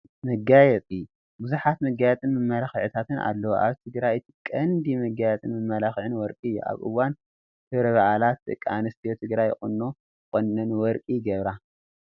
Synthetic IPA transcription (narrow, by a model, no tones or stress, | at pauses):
mɐɡajɛt̪ʼiu | buzuħat̪mɐɡajɛt̪ʼɨnmɨmːɐlaxʕɨt̪ʰat̪ɨnʔa̰lːɐwoʔaβt̪ʰɨɡɾajt̪ʰikʼɐnd̪imɐɡajɛt̪ʼɨnmɨmːɐlaxʕɨnwɔɾkʼijːṵʔa̰βʔɨ̰wan | t̪ʰɨβɾɐβaʔalat̪ːʼɨkʼanɨst̪ʰijot̪ʰɨɡɾaj̰xʼɨnːo | kʼonːɐnwɔɾkʼiɡɐβɾa